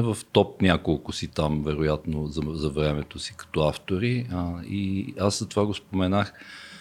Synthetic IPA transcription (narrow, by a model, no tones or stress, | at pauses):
vəft̪ɔp̚nʲjakolˠkʊsit̪amvɛɾʊjat̪nozɐzɐvɾɛmɛt̪osi̥kɐ̥t̪ɔaft̪oɾiiaszɐt̪ovaɡospomɛnax